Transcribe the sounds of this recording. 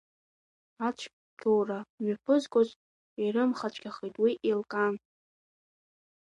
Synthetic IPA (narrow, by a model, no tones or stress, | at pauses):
at͡ʃʷʰ | kʰowramipʰɨzkʷʼot͡ʃʷʼ | iɾɨmχat͡ʃʷʰʼkʲʰaχijtʼwiʔelkʼan